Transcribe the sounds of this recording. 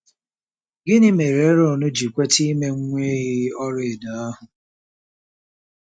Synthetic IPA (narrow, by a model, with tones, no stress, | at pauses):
ɡɪ˦nɪ˦me˨ɾe˨˦ɾɔ˦˨nʊ˦d͡ʒi˨kʷe˦ti˦me˦ŋ̩˦ŋʷe˦jɪ˦ɔ˦ɾe˨da˨a˦ɦʊ˨